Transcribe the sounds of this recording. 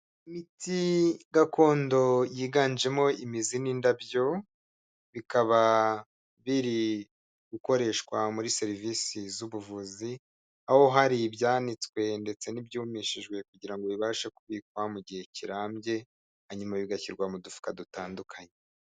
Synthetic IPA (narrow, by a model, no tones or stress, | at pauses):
imitʰiɡakʰo̞ːndo̞jiːɡaːnd͡ʒe̞mo̞imizinindabjo̞ | βikaβa | βiɾi | ɡuko̞ɾe̞ʃkwamuɾise̞ɾivisizuβuvuzi | aho̞ɦaɾibjaːnit͡skwe̞nde̞t͡se̞nibjuːmiʃiʒɡwe̞kuɟiɾaŋɡo̞βiβaːʃekuβik̚wamuɟihe̞ciɾaːmɟe̞ | aɲumaβiɡaçiɾɡwamudufi̥kadutaːndukʰaɲe